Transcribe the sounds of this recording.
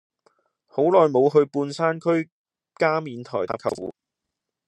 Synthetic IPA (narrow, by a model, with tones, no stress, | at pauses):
ho˨˥wlɔː˨jmo˨˧wɦɵ˧ɥpuː˧nsaː˥nkʰɵ˥ɥ | kaː˥miː˨nt̪ʰɔ̰ː˨˩aː˧˥kʰɐ̰˨˩wwṵː˨˥